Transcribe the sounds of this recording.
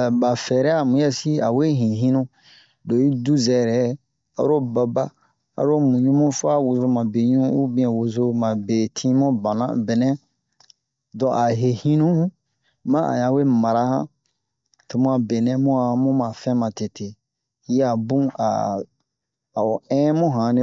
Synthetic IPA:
ba˨fɛ˨ɾɛ˦a˨mũ˨˦jɛ˦si˦a˨we˦ɦĩ˨ɦĩ˦nũ˦ | do˨i˦du˦zɛ˨ɾɛ˨ | a̰˨˦ɾo˦ba˨ba˦ | a̰˨˦ɾo˦mũ˨ɲũ˦mũ˦fo˦a˦wu˧zo˧mã˨be˨ɲũ˦u˦bĩ˨˦ɛ̃˨wo˨zo˦mã˨be˨tʰĩ˦mɔ̃˦bã˨nã̰˦be˨nɛ̃˦ | dɔ̃˨ʔa˨ɦe˨hĩ˦nũ˦hũ˦ | mã˦ʔa̰˨ɲã˨we˦ma˨ɾa˦hã˦ | tu˨mũ˦a˨be˨nɛ̃˦mũ˦a˨˦mũ˦mã˨fɛ̃˦mã˨te˨te˨˦ | a˨bũ˦a̰˨ | a˨o˨ɛ̃˦mũ˦ɦã˨nẽ˦

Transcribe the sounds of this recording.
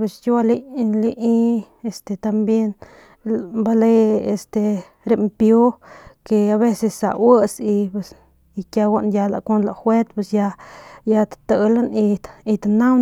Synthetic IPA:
pe˧sja˧li˧li˧ʔi˦e˨st̪e˧t̪a˧mbje˦n | mba˧le˧e˧st̪e˧ | ɾe˧mpjo˦ke˧a˧βe˦se˧sːa̰˨ʔwə˦si˧pe˧s | i˧kja˧wa˦˧ʔnja˧la̰˨kʷo˦nla˧˨xwe˦t̪pwe˧sja˧ja˧t̪ḁt̪ə˧la˦ni˧t̪i˧t̪ana˦w

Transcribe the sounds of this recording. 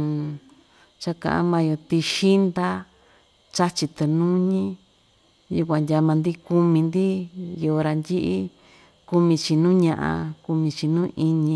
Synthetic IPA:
t͡ʃa˦kã̰˨ʔã̰˦mã˧jo˧t̪i˧ʃi˦nd̪a˦ | t͡ʃa˦t͡ʃi˧t̪e˧nũ˦ɲĩ˦ | ju˧kʷã˧ndʲa˧mã˧nd̪i˦ku˦mĩ˧nd̪i˦jo˨˧ɾa˧nd̪ʲi˦ʔi˦ | ku˧mĩ˧t͡ʃi˧nũː˦ɲã˧ʔã̰˧ku˧mĩ˧t͡ʃi˧nũ˦ʔi˧ɲĩ˧

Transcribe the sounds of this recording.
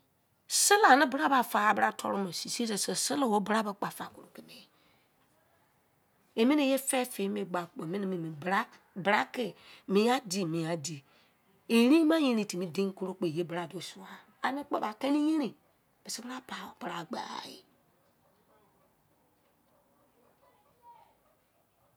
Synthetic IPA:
sɪ˦la˨nɪ˦bə˨˦ɾa˦ba˨fa˨a˨bɾa˦tʰɔ˦ɾu˦me˨si˨sse˨se˨sɪ˦la˨wo˦bɾa˦ba˨k͡pa˨fa˨ko˨ɾo˨ke˨me˨ | e˨mi˦ne˦˨je˦fɛ˦fe˨˦me˨ɡ͡ba˨k͡pe˨mi˦ni˦˨mi˨mi˨bɾa˦ | bɾa˦kɪ˨mĩ˨a˦di˨mĩ˨a˨di˨ | e˨˦ɾĩ˦ma˦ji˦ɾi˨ti˨mi˦dẽ˦ŋ˦ku˦ɾo˦k͡pe˨je˦bɾa˨do˨su˨a˨ | a˨ni˦k͡pa̰˨ba˨ke˦ni˦je˦ɾi˨ | b̥e˨si˦ba˦pa˨o˨pɾa˨ɡ͡ba̰˨jḭ˨

